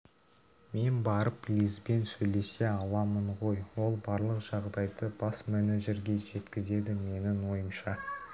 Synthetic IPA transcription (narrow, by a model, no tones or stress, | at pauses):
me̞nbɑɾəplʲizbe̞nsɵjle̞se̞ɑlˠɑməɴʁo̞jwo̞lˠbɑɾlˠəqʒ̥ɑʁd̪ɑjd̪əb̥ɑsmʲeneʒe̞ɾɡʲe̞ʒe̞t̪kʲɪze̞d̪ɪme̞nɪnwo̞jəmʃɑ